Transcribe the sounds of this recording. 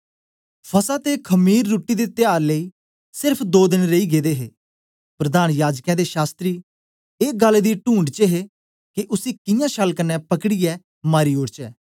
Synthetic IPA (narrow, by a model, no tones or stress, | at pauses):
pʰəsaːt̪eːkʰəmiːɾːuːʈiːd̪eːt̪ɪjaːɾləiː | sɪɾpʰd̪oːd̪ɪnɾeiːɡeːd̪eːɦḛː | pɾəd̪aːnjaːd͡ʒkãːd̪eːʃaːst̪ɾiː | eːɡəld̪iːʈũːɳɖt͡ʃəɦeː | kɪʔʊsiːkɪjãːʃəlkənːɛːpəkɽiːɛː | maːɾiːoːɾt͡ʃɛː